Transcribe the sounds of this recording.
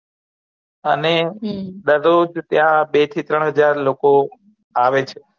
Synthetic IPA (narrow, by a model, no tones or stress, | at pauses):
əned̪əɾod͡ʒt̪jãbet̪ʰit̪ɾəɳ̃ɦəd͡ʒaɾloko | aʋet͡ʃʰe